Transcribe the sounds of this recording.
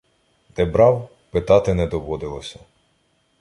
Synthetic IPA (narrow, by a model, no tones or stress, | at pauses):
d̪ɛbɾɑw | pɪt̪ɑt̪ɪnɛd̪ɔʋɔd̪ɪlˠɔsʲɐ